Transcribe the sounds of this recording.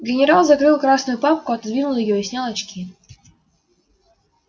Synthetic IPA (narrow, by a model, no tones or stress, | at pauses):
ɡʲɪnʲɪɾalˠzɐkɾɨlˠkɾasnʊjʊpap̚kʊɐt̪d̪vʲinʊlˠɪjɔɪsʲnʲalˠɐt͡ɕkʲi